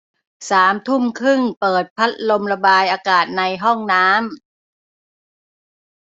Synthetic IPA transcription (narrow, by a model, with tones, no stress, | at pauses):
saː˩˦mt̪ʰu˥˩mkʰɯ˥˩ŋpɤː˨˩t̪̚pʰa˦˥t̪̚lo˧mɾa˧baː˧jʔaː˧kaː˨˩t̪̚na˧jɦɔ˥˩ŋnaː˦˥m